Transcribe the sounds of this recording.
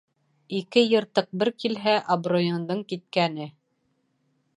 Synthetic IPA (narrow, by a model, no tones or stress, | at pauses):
ikɘjɤ̆ɾt̪ɤq̚bɘɾkilɦæʔɐbrojŏnd̪ɤɴkit̪̚kænɘ